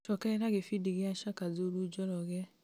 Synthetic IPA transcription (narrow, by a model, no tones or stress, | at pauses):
t͡ʃɔkɛɾaɣefidiɣɪaʃakad͡zoɾud͡ʒɔɾɔɣɛ